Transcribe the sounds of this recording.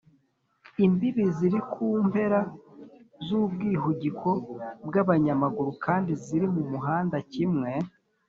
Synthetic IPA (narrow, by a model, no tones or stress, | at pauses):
imbiβiziɾikʰuːmpe̞ɾa | zubɡiːɦuɟikʰo̞bɡaβaɲamaɡuɾukaːndiziɾimumuɦaːndacimŋe̞